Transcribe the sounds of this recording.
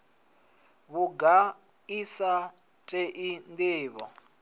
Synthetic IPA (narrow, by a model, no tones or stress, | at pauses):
βuɡa | isa | tʼɛʔindiːβɔ